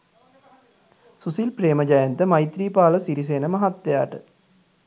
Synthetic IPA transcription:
susilpreːməd͡ʒajənt̪əmajt̪ɾiːpaːləsiɾis̬eːnəmaɦat̪ːeja̰ːʈə̰

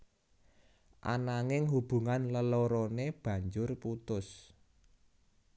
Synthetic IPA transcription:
ʔa̰naŋɪŋɦub̥ṳŋanləlɔɾɔneb̥ä̤ɲd͡ʒʊrput̪ʊs

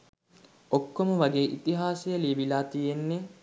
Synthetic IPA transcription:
okːomuʋɐɡeːʔit̪iɦaːsejɐliːbilaːt̪ijenːe

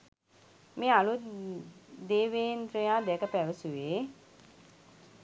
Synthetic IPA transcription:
meːalu | d̪eːʋeːnt̪ɾejaːd̪ɛəkəpæʋəsuʋeː

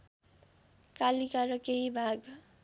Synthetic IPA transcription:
kalikaɾʌkeɦibʱaɡ

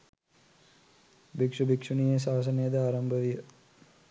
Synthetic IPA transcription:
bikʂubikʂunijəs̬aːs̬ɐnejəd̪ɐaːɾɐmbʱəʋijə

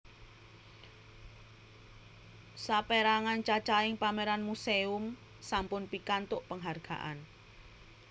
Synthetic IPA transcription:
sapeɾaŋant͡ʃat͡ʃaɪŋpameɾanmuseʊm | sampʊnpikant̪ʊʔpəŋɦarɡ̥a̰ʔan

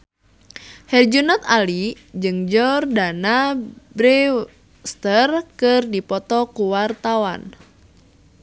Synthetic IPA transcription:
hɛrd͡ʒunɔt̪ali | d͡ʒɨŋd͡ʒɔrdanabɾɛ | st̪ərkɨrdipɔt̪ɔkuwart̪awa̰n

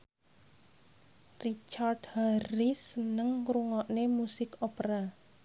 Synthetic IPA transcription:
rit͡ʃard̥harisənəŋkɾuŋɔʔnemusɪkopɾa

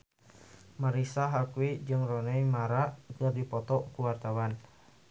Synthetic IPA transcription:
maɾisaɦakwid͡ʒɨŋrɔnɛjmaɾakərdipɔt̪ɔkuwart̪awan

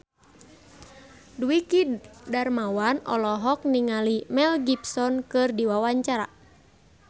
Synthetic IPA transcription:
duikidarmawanɔ̰lɔɦɔk̚niŋalimɛlɡipsɔnkɨrdiwawaɲt͡ʃaɾa̰

